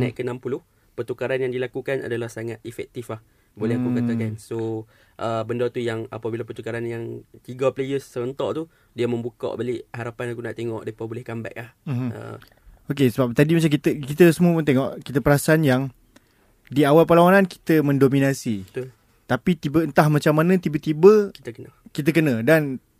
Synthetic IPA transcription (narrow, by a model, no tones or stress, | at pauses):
nã̰jʔkənãmpulʊh | pərt̪ukaɾanjaŋdilakukanʔa̰dalahsaŋat̪ifɛ̰k̚t̪iflah | bolɛhakukat̪akanso | ʔəbəndat̪ujaŋa̰pabilapərt̪ukaɾanjaŋt̪iɡaplejəsːəbənt̪ɔʔt̪u | diamə̃mbukɔ̰ʔbaliʔɦaɾapanakuna̰ʔt̪eŋɔ̰ʔdepabolɛhkamba̰ʔlahm̩ɦ̩ə̰ | okesəbap̚t̪adimat͡ʃamk̬it̪əkit̪əsəmuəpunt̪eŋɔʔkit̪əpəɾasanjaŋ | diawalpəlawananki̥t̪əmə̃ndominasiət̪l | t̪apit̪ibəənt̪ahmat͡ʃamːanə̃t̪ibət̪ibəkit̪əkənəkit̪̬əkənə̃dan